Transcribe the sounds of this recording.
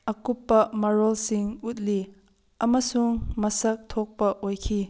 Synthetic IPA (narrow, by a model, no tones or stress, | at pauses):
ʔɐkupːɐmɐɾɔlsɪŋut̪̚li | ʔɐməsʊŋmɐsɐk̚t̪ʰɔk̚pɐʔojkʰi